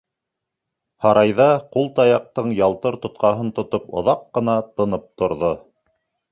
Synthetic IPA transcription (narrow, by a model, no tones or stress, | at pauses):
hɑɾɑjðɑqulˠt̪ɑjɑq̚t̪ɤɴjɑlˠt̪ɤɾt̪ŏt̪̚qɑɦɤnt̪ŏt̪opŏ̰ðɑqːɤ̆nɑt̪ɤ̆nɤp̚t̪ŏɾðo